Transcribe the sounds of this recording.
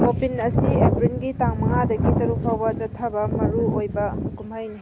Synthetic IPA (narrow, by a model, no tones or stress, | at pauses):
opinɐsiebɾinɡitaŋmɐŋadɐɡitɐɾuk̚pʰawbɐd͡ʒɐtʰɐbɐmɐɾuojbɐkumajni